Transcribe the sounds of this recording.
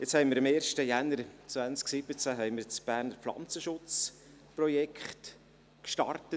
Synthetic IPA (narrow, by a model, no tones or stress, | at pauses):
jɛt͡shɛɪmɪɾɪmeːɾʃtəjænəɾt͡svansksɪb̥ət͡sæɦɛɪməɾt͡sb̥æːrnəɾpflɑ̰nt͡səʃʊt͡s | prɔjɛkχt | kʃtɑ̰rtə